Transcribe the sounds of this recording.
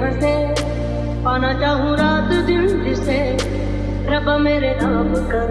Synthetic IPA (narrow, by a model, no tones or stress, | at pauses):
ət̪ʰe | ɔːnat͡ʃaːɦũɾaːt̪d̪ɪnd͡ʒɪse | ɾɐbameːɾenaːmkɐɾ